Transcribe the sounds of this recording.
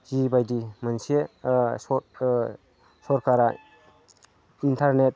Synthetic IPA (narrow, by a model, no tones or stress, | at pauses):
z̥ibajdimənseɔ | sɔɾkʰaɾa | intʰaɾnet̚